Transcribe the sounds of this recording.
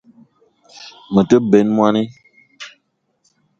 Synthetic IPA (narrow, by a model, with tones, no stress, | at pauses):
mə˨tə˦bɛ˨˦nmwa˦ni˦